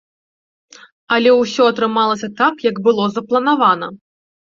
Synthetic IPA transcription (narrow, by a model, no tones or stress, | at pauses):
ɐlʲɛwsʲɔɐt̪ɾɨmalˠɐsʲɐt̪akjɐɡbɨlˠɔzɐplˠɐnavanɐ